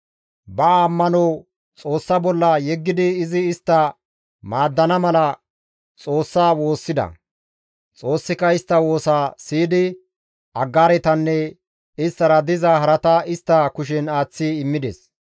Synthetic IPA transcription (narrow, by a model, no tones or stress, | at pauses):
bɐːmːɐnɔw | t͡sʼo̞ːsːɐbɔlːɐjɛɡːɪd̪ɪːzɪːst̪ːɐ | maːd̪ːɐnɐmɐlɐ | t͡sʼo̞ːsːaːwo̞ːsːɪd̪ɐ̰ | t͡sʼo̞ːsːɪkɐɪst̪ːɐwo̞ːsaːsiːd̪ɪ | ɐɡːaːɾɛt̪ɐnːɛ | ɪst̪ːɐɾɐd̪ɪzaɦɐɾɐt̪ɐɪst̪ːɐkʊʃ̬ɛnaːt͡sːiɪmːɪd̪ɛ̰s